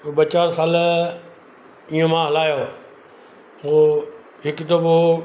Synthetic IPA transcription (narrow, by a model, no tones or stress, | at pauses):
ɓɐt͡ɕaːɾsaːl | iːõmãɦɐlaːjoː | oː | ɦɪkd̪obo